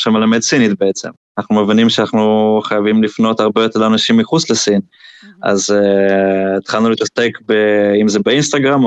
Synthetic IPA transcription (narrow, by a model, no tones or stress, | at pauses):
ʃamelame̞dsinit̪beet͡se̞̰manaχnumevinimʃeanaχnuχajavimlifno̞t̪haʁbe̞jot̪eʁanaʃimːiχut͡sle̞sin | ʔa̰zeː | t̪χalnulit̪ase̞kbeimze̞beinst̪aɡʁam